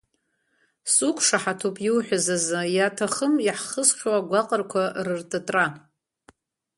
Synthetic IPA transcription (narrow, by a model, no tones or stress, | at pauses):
sukʷʰʼʂaħatʰupʼjiwħʷᶣazazɨjatʰaχəmjaħχəsχʲwaɡʷaqʼərkʷʰarɨrtʼɨtʼra